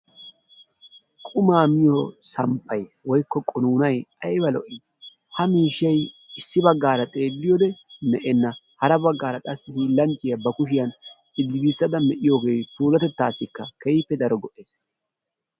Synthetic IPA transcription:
kʼʊmaːmɪjosɐmpʰːɐjwɔjkːɔkʼʊnuːnɐjɐjbɐlɔʔɪ | hɐmiːʃːɐjɪsːɪbɐɡːaːɾɐt̪ʼe̞ːdːɪjɔd̪ɛnɛʔɛnːɐ | hɐɾɐbɐɡːaːɾɐt̪ʼɐsːɪhilɐnt͡ʃʼːɪjɐbɐkʊʃɪjɐn | ɪd̪ːɪɡiːsːɐd̪ɐmɛʔɪjo̞ːɡe̞ːt̪uːlɐt̪ɛt̪ːaːsːɪkːɐkɐjɪpːɛd̪ɐɾɔɡɔʔeːs

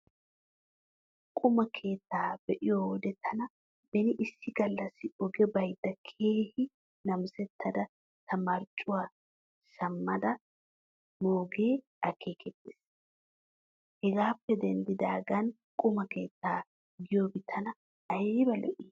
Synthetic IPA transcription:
kʼʊmɐkʰe̞ːt̪ːaːbɛʔɪjowɔd̪ɛt̪ʰːɐnɐ | bɛnɪʔɪsːɪɡ̥ɐlːɐsɪɔɡɛbɐjd̪ːɐkʰeːhɪ | nɐmsɛt̪ʰːɐd̪ɐ | t̪ʰɐmɐɾt͡ʃʼːʊwaː | ʃɐmːɐd̪ɐ | moːɡe̞ː | ɐkʰːeːkʰɛt̪ːeːs | hɛɡaːpːɛd̪ɛnd̪ɪd̪aːɡɐn | kʼʊmɐke̞ːt̪ːaː | ɡɪjobɪt̪ʰːɐnɐ | ɐjnɪbɐlɛʔiː

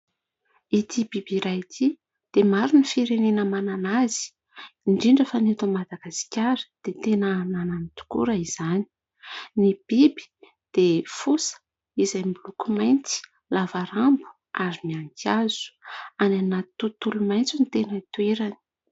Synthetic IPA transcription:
it̪ʰibibiɾajt̪ʰi | d̪̥emaɾunifiɾenenəmananazi̥ː | ɳɖ͡ʐiɳɖ͡ʐefanet̪umad̪aɡasi̥kʲaɾi̥d̪̥et̪enəːnananit̪u̥kṵɾaiz̥ani̥ | nib̥ibi̥ | d̪̥efusə̥ | izajmbulukumajnt͡si̥ | lavaɾambu̥ | ʔaɾimiaŋkʰaz̥u̥ananat̪ut̪ulumajnt͡sunit̪enəit̪ueɾani̥

